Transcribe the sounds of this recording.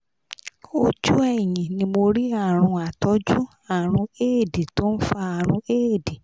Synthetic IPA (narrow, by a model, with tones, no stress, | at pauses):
o˧d͡ʒu˦ɛ˦˨j̃ĩ˨nĩ˧mo˧ɾi˦a˦˨ɾ̃ũ˧a˨tɔ˨˦d͡ʒu˦ | a˦˨ɾ̃ũ˧e˦˨di˨to˦n̩˦fa˦a˨ɾ̃ũ˧e˦˨di˨